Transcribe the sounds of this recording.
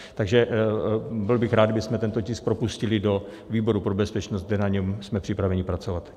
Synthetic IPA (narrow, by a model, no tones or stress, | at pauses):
t̪aɡʒɛ | bɪlbɪxɾaːd̪abɪsmɛt̪ɛnt̪ocɪsk̚pɾo̞puscɪlɪdo̞ | viːbo̞ɾupɾobɛspɛt͡ʃnost̪ɡdɛnaɲɛmsmɛpr̥ɪpɾavɛɲɪpɾat͡so̞vat̪